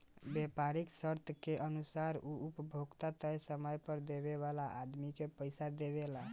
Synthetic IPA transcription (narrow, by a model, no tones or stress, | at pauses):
bepaɾiksəɾt̪ʰəkeʔənusaɾuupəbʱoɡt̪at̪əjsəməjpəɾd̪eβeβalaʔːd̪mikepəjsad̪eβela